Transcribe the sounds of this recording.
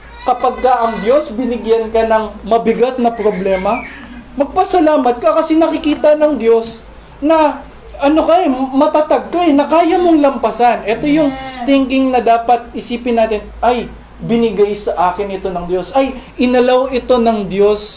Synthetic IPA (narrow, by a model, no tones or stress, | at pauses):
kɐpaɡ̚kɐʔɐŋd̪jo̞sbɪnɪɡjankɐnɐŋmɐbɪɡat̪̚nɐpɾoblɛːmɐmɐɡ̚pɐsɐlaːmɐt̪̚kɐkɐsɛnɐkɪkiːt̪ɐnɐŋd̪jo̞s | nɐ | ʔɐno̞kɐʔɛmɐt̪at̪aɡ̚kɐʔnɐkaːjɐmo̞ŋlɐmpɐsanʔɛt̪o̞jʊŋt̪ɪŋkɪŋnɐd̪aːpɐt̪̚ɪsiːpɪnːaːt̪ɪnʔɐj | bɪnɪɡajsɐʔaːkɪnɪt̪o̞nɐŋd̪jo̞sɐjʔɪnɐlawɪt̪o̞nɐŋd̪jo̞s